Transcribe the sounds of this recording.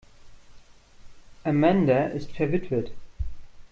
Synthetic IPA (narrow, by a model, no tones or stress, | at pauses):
ʔamɛndɐʔɪstfɛɐvɪtv̥ət